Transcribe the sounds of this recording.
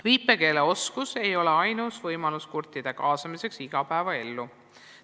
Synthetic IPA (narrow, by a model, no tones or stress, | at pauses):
viːpːˑe̞ke̞ːle̞o̞skuse̞jo̞leɑjnusvɤjmɑluskurt̪ːid̪̥ekɑːsɑmise̞ksiɡ̥ɑpæevɑe̞lːu